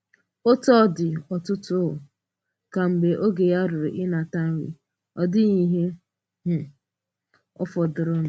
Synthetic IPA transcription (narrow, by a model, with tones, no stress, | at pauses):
o˦tɔ˦˨dɪ˨ɔ˨tʊ˦tʊ˦ʊ˨ | ka˨m̩˨be˨ʔo˦ɡe˨ja˦ɾʊ˨ɾʊ˨ʔɪ˦na˨ta˦n̩˦ɾḭ˨ | ɔ˨dɪ˦ɲi˦ɦe˦ | ɦʊ˨ | ɔ̰˦fɔ˨dʊ˨ɾʊ˦n˨